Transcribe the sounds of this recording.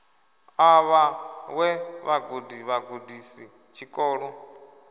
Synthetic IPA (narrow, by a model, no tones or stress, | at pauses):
aβawɛβaɡodiβaɡodisi | t͡ʃʰikʼɔːɺɔ